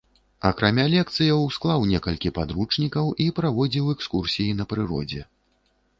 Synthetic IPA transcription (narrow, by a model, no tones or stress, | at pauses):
ɐkɾamʲalʲɛk̚t̪sɨjɐwsklˠawnʲɛkɐlʲkʲipad̪ɾut͡ʂnʲikɐwʔipɾavɔd͡zʲiwɛkskursʲijinɐpɾɨɾɔ̰d͡zʲɛ